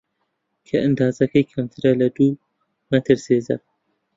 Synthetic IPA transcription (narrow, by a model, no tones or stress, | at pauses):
kʰɐʔɨnd̪ɑːzɐkʰɐjkʰɐmt̪ʰɨɾɐlɐd̪uː | mɐt̪ʰɨɾseːzɐ̰